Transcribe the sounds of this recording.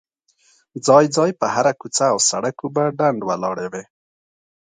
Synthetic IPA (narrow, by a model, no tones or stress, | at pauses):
d͡zɑjd͡zɑjpəhaɾakut͡saːwsaɽakubaɖaɳɖwalɑɽewe